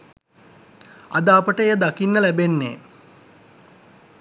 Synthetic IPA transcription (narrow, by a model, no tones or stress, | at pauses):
a̰d̪aːpəʈəejəd̪akinːəlæbenːḛː